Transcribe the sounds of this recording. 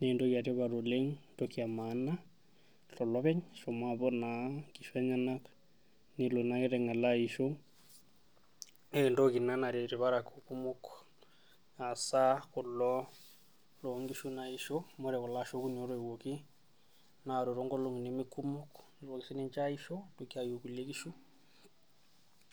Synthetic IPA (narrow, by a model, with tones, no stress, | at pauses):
nendo˦kia˨te˦βa˨ɾo˨le˦ŋndokia˨ma˨˦na˦ | ɬɔ˨lɔ˦βɛ˦ɲʃɔ˨mwaβɔ˦na˨ki˨ʃwɛ˦ɲa˦na˦k | ni˨lo˨na˦ki˦ɾɛ˨ŋa˨lai˨ʃo˦ŋ | endo˦ki˨na˦na˨ɾe˨ti˨βa˦ɾa˨ku˨ku˦mu˦k | a˨sa˦kɔ˨lɔ˦ | lo˨˦ŋɡi˦ʃu˦na˨i˨ʃo˦mo˦ɾɛ˨kɔ˨la˦˨ʃo˦ku˦nio˦ɾo˦i˨wo˨ki˦ | na˨ɾo˨ɾo˦ŋɡɔ˦lo˦˨ŋ˨ni˨me˦ku˦mʊ˦kni˨ɾwo˨ki˨si˦ne˦ɲt͡ʃa˦i˦ʃo˦tuki˦a˨jo˨ku˨le˦ki˦ʃu˦